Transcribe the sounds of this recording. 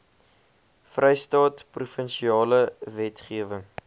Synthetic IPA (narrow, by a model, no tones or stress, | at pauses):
frɛjstɑːtprufənʃiɑːləvɛtχiəvəŋ